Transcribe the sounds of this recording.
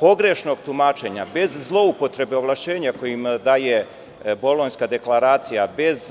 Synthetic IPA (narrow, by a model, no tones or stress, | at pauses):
po̞ɡɾe̞ʃno̞ɡt̪umaːt͡ʃe̞ɲa̰be̞zzlˠo̞upo̞t̪ɾe̞beo̞ʋlˠaʃt͡ɕe̞ːɲako̞jimd̪aːje̞ | bo̞lonskad̪e̞klaɾaːt̪sijabe̞z